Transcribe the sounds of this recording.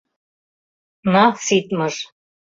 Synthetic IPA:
nɑsit̪mɤ̆ʒ

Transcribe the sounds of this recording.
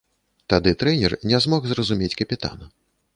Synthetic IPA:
t̪ad̪ɨt̪ɾɛnʲɛrnʲɛzmɔxzrɐzumʲet͡sʲkɐpʲit̪a̰nɐ

